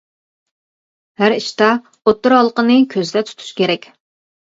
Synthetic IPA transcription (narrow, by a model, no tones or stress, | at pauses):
hæɾiʃt̪ɑ | ot̪ːʊɾɦɑlˠqənɨkʲʰøzd̪ɛt̪ʰu̥t̪ʰu̥ʃkʲeɾɛkʲ